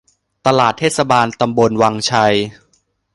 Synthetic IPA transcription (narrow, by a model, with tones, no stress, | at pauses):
t̪a˧laː˨˩t̪ʰːeː˥˩t̪sa˧baː˧nt̪a˧mbo˧nwaː˧ŋt͡ɕʰa˧j